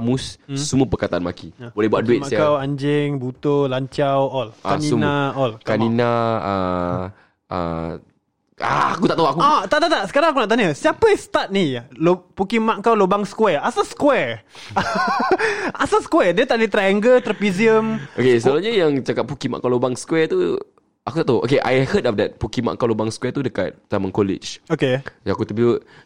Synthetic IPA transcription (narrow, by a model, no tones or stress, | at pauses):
amusːuməpəkat̪aʔanma̰kiabolɛɦbuat̪̚duɪt̪makawaɲd͡ʒɪŋbut̪olaɲt͡ʃawɔlaninaɔlkaninaə | ʔə̰ | a̰a̰kut̪aʔt̪awakuat̪aʔt̪aʔt̪aʔsə̥kaɾaŋakunaʔt̪̬aɲəsiapəst̪at̪̚nilopukimaʔkawlobaŋskwɛasaskwɛɹ | asasə̥kwɛdiət̪aʔdit̪ɾaaŋɡət̪ɾəpiziəmokesəəlaɲəjaŋt͡ʃakat̚pukima̰ʔkawlobaŋskwɛt̪u | ʔakut̪aʔt̪aɦuʔo̰keʔa̰jhədɔfdɛt̪̚pukima̰ʔkawlobaŋskwɛt̪udəka̰t̪̚tamə̃nkolɪ̰t͡ʃokejãakut̪əbiə